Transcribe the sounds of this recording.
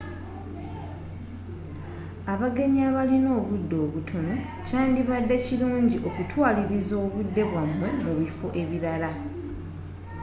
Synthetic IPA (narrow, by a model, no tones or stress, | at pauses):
aβaɡe̞ɲiaβalino̞ːβudːo̞ːβutʰo̞no̞ | caːndiβadːeciluːɲɟiʔo̞kutwaːliɾizo̞ːβudːe̞βwamwe̞muβifo̞ʔe̞βiɾala